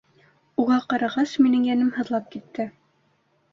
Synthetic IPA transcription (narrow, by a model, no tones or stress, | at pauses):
uʁɑqɑɾɑʁɑsminɘŋjænɘmhɤ̆ðlˠɑp̚kit̪ːɘ